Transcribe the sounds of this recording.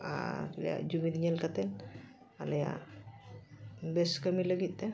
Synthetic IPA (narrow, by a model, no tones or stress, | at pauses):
a̰lja̰d͡ʒumid̪ɲelkət̪el | alja̰ | beskəmiləɡit̪ːe